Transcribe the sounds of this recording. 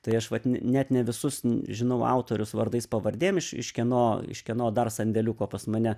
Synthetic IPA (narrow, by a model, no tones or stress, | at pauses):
t̪ɐɪɐʃʋɐt̪nʲnʲæt̪nʲɛʋʲɪsʊsʒʲɪnɐʊɑ̰ʊt̪oːɾʲʊsʋɐrd̪ɐɪspɐʋɐrʲd̪ʲeːjmɪʃɪ̰ʃkʲɛnoːɪ̰ʃkʲɛnoːd̪ɐrsɐnʲd̪ʲɛlʲʊkoːpɐsmɐnʲɛ